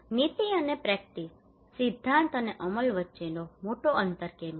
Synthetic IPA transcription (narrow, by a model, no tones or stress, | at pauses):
nit̪iənepɾɛk̚ʈis | sid̪ʱːant̪əneʔəməlʋətːʃenomoʈoʔənt̪əɾkem